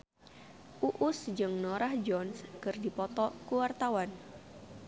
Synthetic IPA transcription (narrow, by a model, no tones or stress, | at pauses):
ʔuʔʊsd͡ʒɨŋnɔɾahd͡ʒɔnskɨrdipɔt̪ɔkuwart̪awan